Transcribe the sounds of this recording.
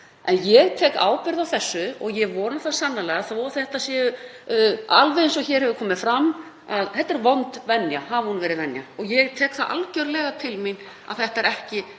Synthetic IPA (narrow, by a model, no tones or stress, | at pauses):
ʔɛnjɛɣt̪ʰɛːka̰ːwpɪɾðawθɛsːʏɔɣjɛɣvɔːnaθaðsanːalɛɣaθaθɛht̪asjɛːjʏ | alvɛðɪnsɔçɛːɾ̥hɛvʏkʰɔːmɪðfɾam | aðθɛht̪ːɛɾvɔnt̪vɛnjahavhunvɛːɾɪðvɛnja̰ɔɣjɛɣt̪ʰɛːkθaðʔa̰lcœɾlɛːɣat̪ʰɪlmin | a̰ðθɛht̪aɛɾɛhcɪ